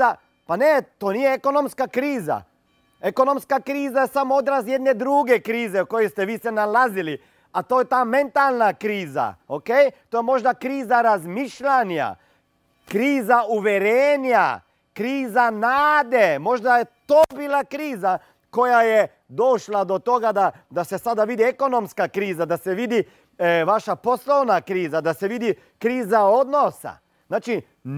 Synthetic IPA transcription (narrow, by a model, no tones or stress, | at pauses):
a | panet̪onijeeko̞nomskakɾiːza̰ | eko̞no̞mskakɾiːzajesamood̪ɾasjed̪ne̞d̪ɾuɡe̞kɾiːzeko̞jest̪eʋiːsenalazili | at̪ojet̪aːme̞nt̪alˠnakɾiːza̰okejt̪ojemo̞ʒd̪akɾiːzaɾazmiʃʎana̰ | kɾiːzaʔuʋjeɾeːnja | kɾiːzanaːd̪ɛmoʒd̪ajɛt̪obilakɾiːza | kojajɛ | d̪oːʃlad̪ɔt̪oːɡad̪a | d̪asɛsaːd̪aʋiːd̪iɛkonomskakɾiːzad̪asɛʋiːd̪i | ʋaːʃaposlownakɾiːzad̪asɛʋiːd̪i | kɾiːzaod̪nosa̰ | znaːt͡ʃi